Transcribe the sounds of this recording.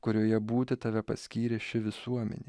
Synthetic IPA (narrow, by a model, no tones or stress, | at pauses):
kʊɾʲoːjɛbuːt̪ʲɪt̪ɐʋʲɛpɐsʲkʲiːɾʲeːʃʲɪʋʲɪsuɔmʲɛ̰nʲeː